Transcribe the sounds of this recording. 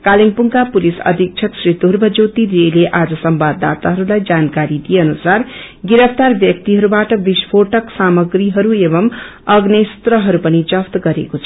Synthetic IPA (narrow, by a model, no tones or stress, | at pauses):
kaliŋpuŋkapulisʌ̰d̪ʱik̚t͡ʃʰʌksɾit̪uɾbʱʌd͡zowt̪iɾeleʔad͡zʌsʌmbad̪a̰t̪aɦʌɾulajd͡zankaɾid̪ijeʌnusar | ɡiɾʌpʰt̪arbjʌk̚t̪iɦʌɾubaʈʌbisbʰoʈʌksamʌɡɾiɦʌɾuebʌm | ʌɡnest̪rʌɦʌɾupʌnid͡zʌpt̪ɡʌɾḛkot͡sʰʌ